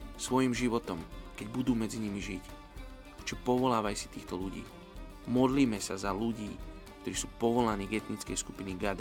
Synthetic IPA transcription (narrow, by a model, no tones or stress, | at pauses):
sʋɔjimʒiʋɔt̪ɔmkɛɟbud̪uːmɛd͡ziɲimiʒic | t͡ʃɛpɔʋɔlaːʋajsi̥t̪iːxt̪ɔluɟḭː | mɔd̪liːmɛsazaluɟiː | kt̪ɔɾiːsuːpɔʋɔlaniːɡɛt̪nit͡skɛ̰jskupiniɡad̪